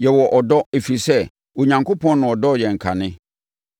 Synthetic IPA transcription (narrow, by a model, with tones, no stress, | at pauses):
jɛ˨wɔ˨ʔɔ˨dɔ˦e˨fi˨sɛ˦ | wo˨ɲã˨ŋko˦pɔ̃˦n˦nʊ̃˨ɔ˨dɔ˦˨jɛ˨ŋ̩˨kʰa̰˨nɪ̃˦